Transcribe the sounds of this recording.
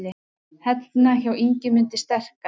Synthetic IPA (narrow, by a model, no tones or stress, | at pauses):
lɪ | hɛt̪naçawiɲcɪmʏnt̪ɪst̪ɛr̥ka